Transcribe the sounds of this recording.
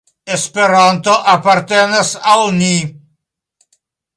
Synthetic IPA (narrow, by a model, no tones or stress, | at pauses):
espeɾant̪oʔapːart̪enesalni